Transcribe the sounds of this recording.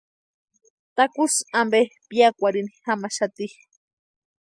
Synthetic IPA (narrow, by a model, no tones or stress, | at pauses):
t̪akusambepjakʷaɾinixamaʃat̪i